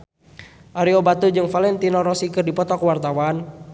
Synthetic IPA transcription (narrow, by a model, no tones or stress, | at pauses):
ʔaɾiobat̪ud͡ʒɨŋfalɛnt̪inɔɾɔsikɨrdipɔt̪ɔkəwart̪awan